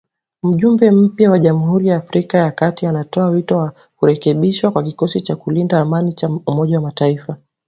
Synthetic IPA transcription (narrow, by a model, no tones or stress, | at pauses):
m̩ʄumbɛm̩pjawaʄam̩huɾijaːfɾikajakatianatɔawitɔwa | kuɾɛkɛɓiʃwakwakikɔsit͡ʃakulindaːmanit͡ʃaumɔʄawamataifa